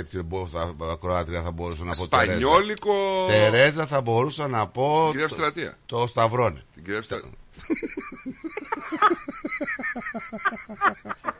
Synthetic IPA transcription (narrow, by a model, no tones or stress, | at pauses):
et͡siboɐkɾoɐt̪ɾiɐθɐbo̞ɾusɐnɐpot̪eɐɾeɲzolikot̪eɾe̞zɐθɐbo̞ɾusɐnɐpo̞ɡɾefsst̪ɾɐt̪iɐ̰t̪ost̪ɐvɾo̞nit̪iɡɾefs